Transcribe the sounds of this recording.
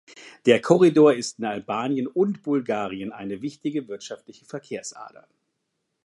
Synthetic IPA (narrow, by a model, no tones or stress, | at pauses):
d̥eːɐkʰɔʁidoːɐɪstɪnalbaːnjənʊntb̥ʊlɡaːʁiənʔa̰ɪnəvɪçtɪɡəvɪɐtʃaftlɪçəfɛɐkʰeːɐsʔa̰ːdɐ̰